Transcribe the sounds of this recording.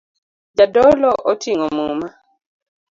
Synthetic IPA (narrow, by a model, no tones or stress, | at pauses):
d͡ʒadɔlɔʔɔtʰiŋɔmuma